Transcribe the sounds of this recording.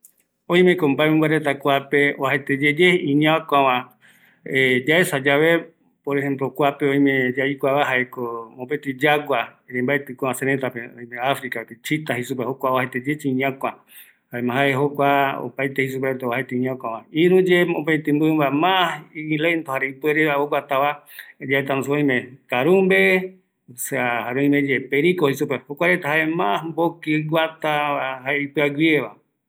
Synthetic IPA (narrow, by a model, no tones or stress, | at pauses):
õĩmẽkombaemẽmbaɾet̪akʷapeoahet̪ed͡ʒed͡ʒeĩɲãkʷãwã | ed͡ʒaesad͡ʒaβe | poɾehẽmplokʷapeõj̃mẽd͡ʒaikʷaβaɦaekomõpet̪ɨd͡ʒaɡʷaɾẽmbaet̪ɨkʷããseɾet̪apeõ̰j̃mẽafɾikapet͡ʃit̪aɦisup̬ehokʷaoahet̪ed͡ʒet͡ʃiĩɲãkʷã | haemãɦaeɦokʷao̰pajt̪ehis̬upeɾet̪eoahet̪eiɲãkʷãʋaiɾũd͡ʒeõpẽt̪ɨ̃mbɨmbamahĩlent̪ohaɾeipɨeɾeaoɡʷwat̪aβad͡ʒaet̪anũs̬oõj̃mẽkaɾumbe | seahaɾej̃med͡ʒepeɾikohisupehokʷaɾet̪aɦaʔemãsmbokiɡʷat̪aahaeipɨaɡʷieβa